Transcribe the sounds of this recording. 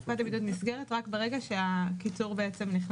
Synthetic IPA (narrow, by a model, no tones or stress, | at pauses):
ad̪abid̪ut̪misɡeʁet̪ʁakbeʁeɡaʃeakit͡suʁbeet͡se̞mniχn